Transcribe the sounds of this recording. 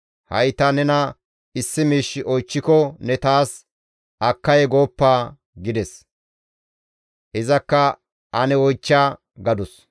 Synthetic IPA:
hɐ̰jt̪ɐnɛnɐ | ɪsːɪmiːʃːɪʔɔjt͡ʃːɪkɔnɛt̪aːs | ɐkːɐjɛɡo̞ːpːaː | ɡɪd̪ɛs | ʔɪzɐkːɐ | ɐnɛwɔjt͡ʃːaː | ɡɐd̪ɔs

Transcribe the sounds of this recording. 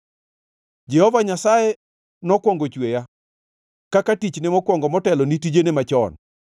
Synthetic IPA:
d͡ʒɛhɔvaɲasaje | nɔkwɔŋɡot͡ʃweja | kakatit͡ʃnemɔkwɔŋɡɔmɔtɛlɔnitid͡ʒenemat͡ʃɔ̰n

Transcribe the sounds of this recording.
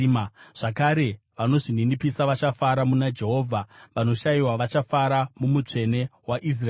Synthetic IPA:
ʐ̥akaɾe̞ | ʋano̞ʐininipisaʋat͡ʃafaɾamunad͡ʒe̞ɦo̞ːvʱaʋano̞ʃaiwaʋat͡ʃafaɾamumut͡ʂe̞ne̞waʔis̬ra

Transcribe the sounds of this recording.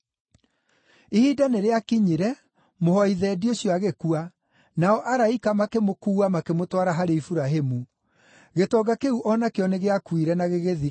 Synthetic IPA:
ihiːdaneɾeakiɲiɾɛ | mohɔiðɛːdioɕjɔaɣekua | naɔʔaɾaikamakemokuːamakemotwaɾaɦaɾeifuɾaɦemu | ɣetɔɡakeuʔɔnakeɔneɣeakwiɾɛnaɣeɣeði

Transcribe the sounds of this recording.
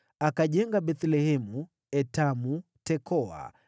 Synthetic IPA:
akaʄɛŋɡaɓɛt̪lɛhɛmu | ɛtamu | tɛkɔa̰

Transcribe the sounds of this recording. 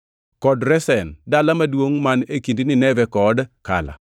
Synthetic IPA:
kɔdɾɛsɛndalamadwoŋmanekindinɪnɛvɛkɔdka̰la̰

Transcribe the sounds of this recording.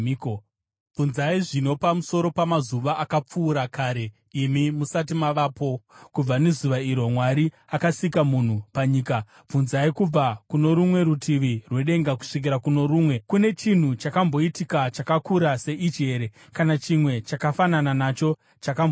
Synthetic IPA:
b͡vunzaiʐino̞pamuso̞ɾo̞pamazuʋaʔakap͡fuːɾakʰaːɾe̞ | imimusat̬imaʋaːpo̞kub͡vanezuʋaiɾwomwaɾi | akasikamun̤upaɲiːka | b͡vunzaikub͡vakuno̞ɾumwe̞ɾutʰiʋirwe̞ɗe̞ŋɡaku̥ʂik̬iɾakuno̞ɾuːmwe̞kune̞t͡ʃin̤ut͡ʃakambo̞itikat͡ʃakakuɾase̞ʔit͡ʃe̞ɾe | kanat͡ʃimwe̞t͡ʃakafanananat͡ʃo̞ | t͡ʃakambo

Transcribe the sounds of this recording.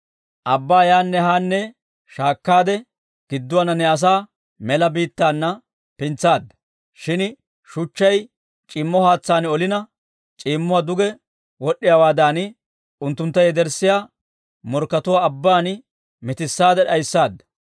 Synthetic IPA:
ʔɐbːaːjaːnːɛɦaːnːɛ | ʃaːkːaːd̪ɛ | ɡ̥ɪd̪ːʊwaːnɐnːɛɐs̬aː | mɛlɐbiːt̪ːaːnːɐ | pɪnt͡sːaːd̪ːɐ | ʃɪn | ʃʊt͡ʃːɐj | t͡ʃʼiːmːɔhaːt͡sːaːnɔlɪnɐ | t͡ʃʼiːmːʊwaːd̪ʊɡɛ | wɔɗːɪjaːwaːd̪aːnɪ | ʊnt̪ːʊnt̪ːɐjɛd̪ɛɾsːɪjaː | mɔɾkːɐt̪ʊwaːbːaːn | mɪt̪ɪsːaːd̪ɛɗɐjsːaːd̪ːɐ̥

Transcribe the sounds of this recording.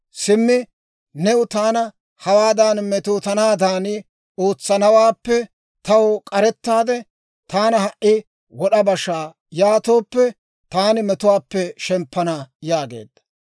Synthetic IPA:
sɪmːɪ | nɛʊt̪aːnɐ | hɐwaːd̪aːnmɛt̪oːt̪ɐnaːd̪aːnɪ | oːt͡sːɐnɐwaːpːɛ | t̪ɐwkʼɐɾɛt̪ːaːd̪ɛ | t̪aːnɐhɐʔɪ | wɔɗɐbɐʃːaː | jaːt̪o̞ːpːɛ | t̪aːnɪmɛt̪ʊwaːpːɛʃɛmpːɐnajaːɡe̞̰ːd̪ːɐ̥

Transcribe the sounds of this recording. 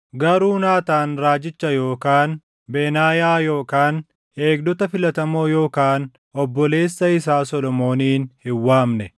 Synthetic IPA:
ɡɐɾuːnaːt̪aːnɾaːd͡ʒɪt͡ʃːɐjo̞ːkaːn | beːnaːjaːjo̞ːkaːn | e̞ːɡ̚d̪ɔt̪ɐfɪlɐt̪ɐmo̞ːjo̞ːkaːn | ɔbːɔle̞ːsːɐɪs̬aːsɔlɔmo̞ːniːnhɪwːaːmnɛ

